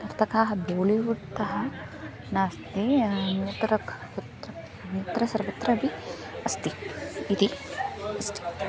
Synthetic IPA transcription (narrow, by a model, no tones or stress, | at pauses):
t̪ɐɾt̪ʰɐkaːɦɐboːliʋuɽt̪ɐɦɐ | naːst̪inɐt̪ɾɐk | ut̪ɾɐ | nɐt̪ɾɐsɐɾʋɐt̪ɾɐbi | ɐst̪iit̪iɐst̪i̥